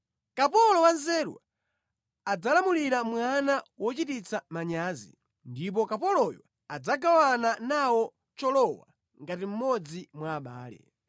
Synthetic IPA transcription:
kapɔlɔwanzɛɾwa̰ | ad͡zalamuliɾamwanawɔt͡ʃitit͡samaɲaːzḭ | ndip̬ɔkapɔlɔjɔ̰ | ad͡zaɡawananawɔ | t͡ʃɔlɔwa̰ | ŋɡatim̩mɔd͡zimwaːɓa̰ːlɛ̰

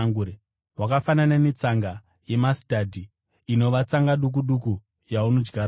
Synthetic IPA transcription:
ŋɡuɾe | wakafanananet͡saŋɡa | je̞masitadʱi | ino̞ʋat͡saŋɡaɗuk̬uɗuku | jauno̞d͡ʒɡar

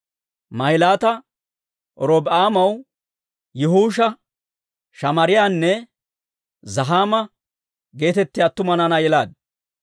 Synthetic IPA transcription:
mɐɪlaːt̪ɐ | ʔɔɾoːbaːmɐw | jɛɦuːʃɐ | ʃɐmɐɾɪjaːnːɛ | zɐɦaːmɐ | ɡe̞ːt̪ɛt̪ːɪjaːt̪ːʊmɐnɐnɐjɛlaːd̪̚

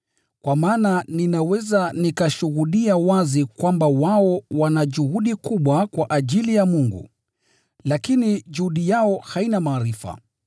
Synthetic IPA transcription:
kwamaːnaninawɛzanikaʃuɣuɗiawazikwambawaɔwanaʄuhuɗikuɓwakwaʔaʄilijamuŋɡṵ | lakiniʄuhuɗijaɔhainamaːɾifa̰

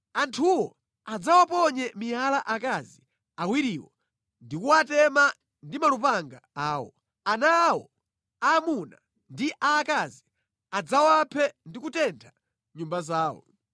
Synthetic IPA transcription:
antʰuwɔ | ad͡zawapɔɲɛmijalaʔakazi | awiɾiwɔ | ndikuatɛma | ndimalupaŋɡaaːwɔ | anawɔ | aːmuna | ndiʔaːkazi | ad͡zawapʰɛndikutɛntʰḁ | ɲumbazaːwɔ̰

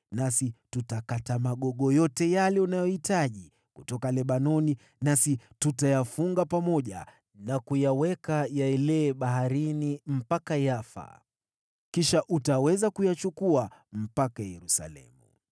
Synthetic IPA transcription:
nasitutakatamaɠɔɠɔjɔtɛjalɛunajɔhitaʄi | kutɔkalɛɓanɔni | nasitutajafuŋɡapamɔʄa̰ | nakujawɛkajaɛlɛːɓaɦaɾinim̩pakajafa̰ | kiʃaʔutawɛzakujat͡ʃukuam̩pakajɛɾusa̰lɛ̰mu

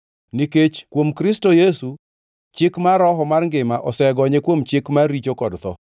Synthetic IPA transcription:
niket͡ʃkwomkɾɪstojesu | t͡ʃɪkmaɾɔɦɔmarŋɡɪmaʔɔsɛɡɔɲekwomt͡ʃɪkmaɾit͡ʃokɔdt̪ɔ̰

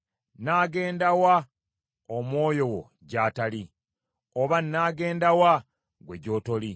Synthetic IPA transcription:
naːɡe̞ːndawa | omwo̞ːjo̞wo̰ | ɟaːtali | oβanːaːɡe̞ːndawa | ɡwe̞̰ɟo̞ːto̞li

